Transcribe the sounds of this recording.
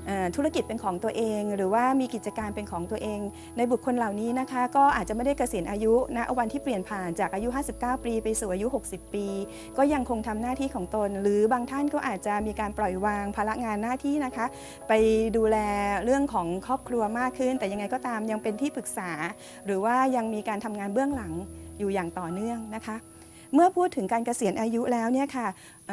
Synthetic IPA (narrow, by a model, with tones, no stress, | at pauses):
ʔɤː˨˩t̪ʰu˦˥ɾa˥˩ki˨˩t̪̚pe˧nkʰɔː˩˦ŋt̪u˧ɐʔeː˧ŋɾɯː˩˦waː˥˩miː˧ki˨˩t̪̚t͡ɕa˧kaː˧npe˧nkʰɔː˩˦ŋt̪u˧ɐəʔeː˧ŋ | na˧jbu˨˩kʰːo˧nla˨˩wniː˦˥na˦˥kʰa˦˥kɔː˥˩ʔaː˨˩t̪̚t͡ɕa˨˩ma˥˩da˥˩jka˧si˩˦nʔaː˧ju˦˥na˦˥ʔwa˧nt̪ʰiː˥˩pli˨˩ənpʰaː˨˩nt͡ɕaː˨˩k̚ʔaː˧ju˦˥ɦaː˥˩si˨˩p̚kaː˥˩wpiː˧pa˧jsuː˨˩ʔaː˧ju˦˥ɦo˨˩k̚si˨˩pːiː˧ | kɔː˥˩ja˧ŋkʰo˧ŋt̪ʰa˧mnaː˥˩t̪ʰiː˥˩kʰɔː˩˦ŋt̪o˧nɾɯː˩˦baː˧ŋt̪ʰa˥˩nkɔː˥˩ʔaː˨˩t̪̚t͡ɕa˨˩miː˧kaː˧nplɔ˨˩jwaː˧ŋpʰaː˧la˦˥ŋaː˧nːaː˥˩t̪ʰiː˥˩na˦˥kʰa˦˥ | pa˧jduː˧lɛː˧ɾɯ˥˩əŋkʰɔː˩˦ŋkʰɾɔː˥˩p̚kʰɾu˧ɐmaː˥˩kʰːɯ˥˩nt̪ɛː˨˩ja˧ŋːa˧jkɔː˥˩t̪aː˧mja˧ŋpe˧nt̪ʰiː˥˩pʰɯ˨˩k̚saː˩˦ | ɾɯː˩˦waː˥˩ja˧ŋmiː˧kaː˧nt̪ʰa˧mŋaː˧nbɯ˥˩əŋla˩˦ŋjuː˨˩jaː˨˩ŋt̪ɔː˨˩nɯ˥˩əŋna˦˥kʰa˦˥ʔ | mɯ˥˩ɐpʰuː˥˩t̪ʰːɯ˨˩˦ŋkaː˧nka˧si˨˩˦ənʔaː˧ju˦˥lɛː˦˥wni˥˩ɐkʰa˥˩